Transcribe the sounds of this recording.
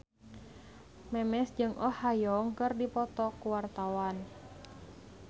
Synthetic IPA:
mɛmɛsd͡ʒɨŋʔɔhajɔŋkɨrdipɔt̪ɔkuwart̪awan

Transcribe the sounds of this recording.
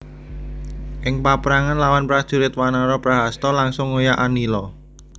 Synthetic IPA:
ʔɪŋpapɾaŋanlawanpɾad̥ʒ̥ṳɾɪt̪wanaɾɔpɾaɦast̪ɔlaŋsʊŋːojaʔanilɔ

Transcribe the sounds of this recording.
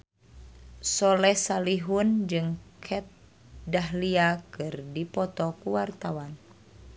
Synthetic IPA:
sɔlɛsaliɦund͡ʒɨŋkʰɛt̪̚ | daɦliakɨrdipɔt̪ɔkuwart̪awan

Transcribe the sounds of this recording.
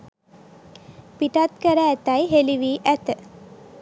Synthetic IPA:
piʈat̪kəɾəːt̪ajɦeliʋiːʔæt̪ə

